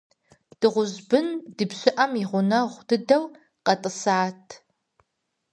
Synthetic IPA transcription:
d̥ɨʁʷʊzbɨndɨbɕʼɪʔɐmiʁʷʊnɐʁʷd̥ɨdɐw | qɐtʼɨsaːtʰ

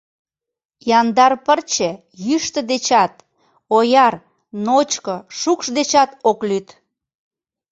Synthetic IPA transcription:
jɑnd̪ɑrpərt͡ɕĕ | jyʃt̪ə̆d̪et͡ɕɑt̪̚ | ojɑr | not͡ɕkoʃukʃd̪et͡ɕɑt̪oklyt̪

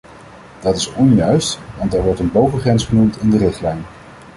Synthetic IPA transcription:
d̥ɑtɪsɔnjœɥstʋɑntɛɹʋɔɹtənbowvəχrɛnsχənumtɪndərɪχtlɛjn

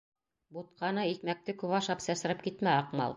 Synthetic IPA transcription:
but̪̚qʰɑnɤikmæk̚t̪ɘkʉβɑʃɑpsæsɘ̆ɾɘp̚kit̪mæɑqmɑ̰lˠ

